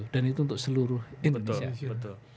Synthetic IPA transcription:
udanit̪̬unt̪ʊk̚səluɾʊhɪnənaəʊl

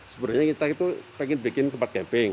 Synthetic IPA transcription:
səbəɾʊɲakit̪ait̪upɛŋɪnbikɪnt̪əmpat̪̚kɛmpɪŋ

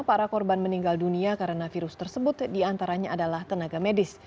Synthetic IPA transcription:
paɾakɔrbanməniŋɡalduniakaɾənafiɾʊst̪ərsəbʊt̪diant̪aɾaɲaːdalaht̪ənaɡamedɪs

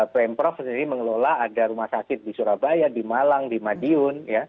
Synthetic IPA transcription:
pɛmpɾɔfsəndiɾiməŋəlolaadaɾumahsakɪt̪̚disuɾabajadimalaŋdimadiʊnja

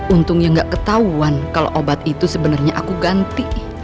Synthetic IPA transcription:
unt̪ʊŋjaŋɡaʔkət̪auankalo̰ʔobat̪̚it̪usəbənarɲaʔakuɡant̪i

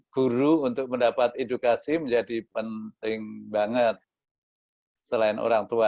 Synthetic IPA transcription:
ɡ̥uɾuːnt̪ʊk̚məndapat̪edukasiməɲd͡ʒadipənt̪ɪŋbaŋət̪̚ | səlaɪnʔo̰ɾaŋt̪ua

